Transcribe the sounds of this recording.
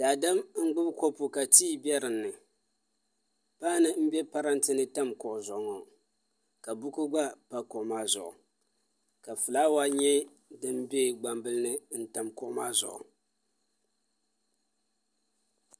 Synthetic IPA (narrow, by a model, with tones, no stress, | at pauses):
d̥a˨da˦mŋ͡m̩˦ɡ͡bʊ˦bko˦pu˨ka˨tiː˦bɛ˦ɾɨ˨nːɨ˨ | paː˦nɨ˦m̩˦bɛ˦pa˦ɾa˦ntɨ˦nɨ˦ta˦mkɔ˨ʔzɔ˨ŋo˨ | ka˨bʊ˦ku˦ɡ͡ba˦pa˨ko˨ʔmaː˦zʊ̰˨ʔʊ̰˨ | ka˨fɨ˨la˦wa˦ɲɛ˦ | dɨ˦mbɛ˦˨ɡ͡ba˨mbɨ˦lɨ˦nɨ˦n̩˦ta˨mkɔ˦ma̰ː˦zʊ̰˨ʔʊ̰˨